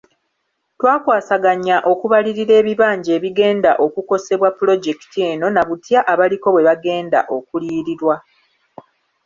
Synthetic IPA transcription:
twaːkwaːsaɡaɲːaʔo̞kuβaliɾiɾe̞ːβiβaːɲɟe̞ːβiɡe̞ːndaʔo̞kuko̞se̞βwapːulo̞ɟe̞ki̥tʰie̞ːno̞naβutjaʔːβaliko̞βwe̞βaɡe̞ːnda̰ʔo̞kuliːɾiɾwa

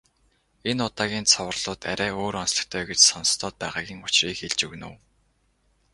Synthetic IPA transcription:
enʊt̪aːɣʲiːnt͡sʰɔwə̆rɮ̥ʊːt̪æɾʲæːoːɾɔnsɮə̥̆kt̪ʰœːɡet͡ɕsɔn̆st̪ʰɔːt̪̚pæːʁaːɣʲiːŋʊt͡ɕriːkxeɮt͡ɕɵɣnṵ̆ːw

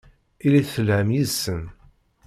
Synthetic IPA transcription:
iliθːəlhəmjiðsən

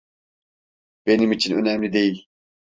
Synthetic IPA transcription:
b̥enimit͡ʃʰinø̰næmlid̪eil

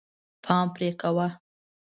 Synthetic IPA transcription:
pʰɑːmpɾekawa

